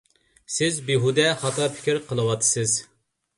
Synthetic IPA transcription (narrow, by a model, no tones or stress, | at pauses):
sɪzbiɦud̪ɛχɑt̪ʰɑpʰi̥kʲiɾqʰəlˠɨwɑt̪ʰːɨ̥sɨz